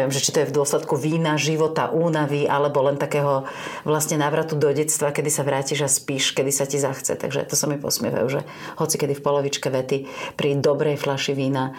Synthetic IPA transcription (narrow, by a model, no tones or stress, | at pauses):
ɪɛmʒɛt͡ʃit̪ɔjɛvd̪ʊɔslɛt̪kuʋiːnaʒiʋɔt̪a̰ʔuːnaʋiʔalɛbɔlɛnt̪akɛːɦɔ | ʋlast̪ɲɛnaːʋɾat̪ud̪ɔɟɛt̪st̪ʋakɛd̪isaʋɾaːciʒaspiːʃkɛd̪isacizaxt͡sɛ̰t̪a̰ɡʒɛ̰t̪ɔsamipɔ̰smɪɛ̰ʋa̰juʒɛ̰ | hɔt͡sikɛd̪ifpɔlɔʋit͡ʃkɛʋɛt̪ipɾid̪ɔbɾɛjflaʃiʋiːna